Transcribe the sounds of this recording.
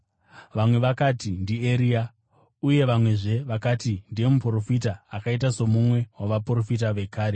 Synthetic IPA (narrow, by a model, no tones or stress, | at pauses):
ʋamwe̞ʋakatindieɾia | uje̞ʋamwe̞ʐe̞ʋakatindije̞mupro̞fitaːkait̬aso̞mumwe̞waʋapuro̞fit̬aʋe̞kaːɾe